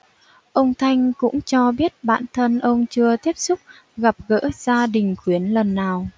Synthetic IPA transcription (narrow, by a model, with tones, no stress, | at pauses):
ʔə˧wŋ͡mt̪ʰa˧jŋ̟kʊ̰˧˥ŋ͡mt͡ɕɔ˧ɓi˦˥ət̚ɓa̰ː˧˨nt̪ʰə˧nʔə˧wŋ͡mt͡ɕɨ˧ət̪i˦˥əp̚sʊ˦˥k͡p̚ | ɣa˨˩p̚ɣə̰ː˧˥z̥aː˧ɗï˨˩ŋ̟xwi˨˦ənlə˨˩nːaː˨˩w